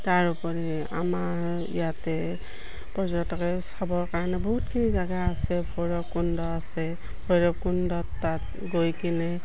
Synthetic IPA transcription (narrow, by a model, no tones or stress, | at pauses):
taɹupɔɹɛ | a̰maɹ | ḭjatɛ | pɔzɔtɔkɛsɔbɔɹkaɹɔnɛbɔɦutkʰinizaɡaasɛpʰojɹɔp̚kundɔasɛ | pʰɔjɹɔp̚kundɔtːat | ɡojkinɛ